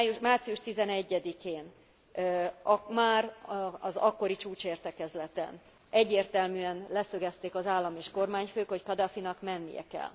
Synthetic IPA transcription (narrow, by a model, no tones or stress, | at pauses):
jumaːrt̪sijuʃt̪izɛnɛɟːɛd̪ikeːn | ɒmaːrɒzɒkːo̞ɾit͡ʃuːt͡ʃeːrt̪ɛkɛzlɛt̪ɛ̰n | ɛɟːeːrt̪ɛlmyːɛnlɛsø̞ɡɛst̪eːkɒzaːlːɒmeːʃko̞rmaːɲføːkho̞ckɒd̪ɒfinɒkmɛnːijɛ̰kɛ̰l